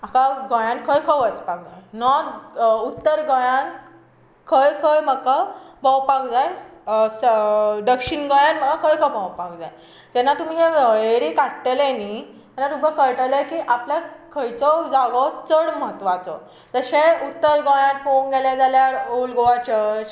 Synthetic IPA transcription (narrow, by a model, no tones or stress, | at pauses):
akaɡɔ̃jãnkʰəjkʰəjʋəspak̚d͡zajnɔɾut̪ːəɾɡɔ̃jãn | kʰəjkʰəjməkabə̃wpakd͡zajsɖəkɕinɡɔ̃jãnməɡakʰəjkʰəbə̃wpakd͡za̰j | t̪ɛnːat̪um̤iːɦeʋəɭeɾiːkaʈʈeleniː | ɛnat̪ubʱəkəɾʈələjkiːʔapljakʰəjt͡sɔd͡zaɡɔt͡səɽməɦət̪ːʋat͡sɔ̰ | t̪əɕeut̪ːəɾɡɔ̃jãnpoŋɡɛljad͡zaljaɾolɡoʋat͡ɕət͡ɕ